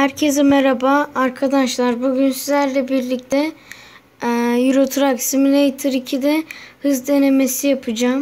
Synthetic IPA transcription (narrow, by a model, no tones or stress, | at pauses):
hæɾcʰezamɛɾabaːɾkʰad̪aʃlˠaɾbuɟynsizlʲæɾlʲɛbiɾlʲic̚t̪ʰɛ | juɾot̪ʰuɾaksimilʲejt̪ʰɯɾicʰid̪ɛhɯzd̪e̞ne̞me̞sijapʰɯd͡ʒaːm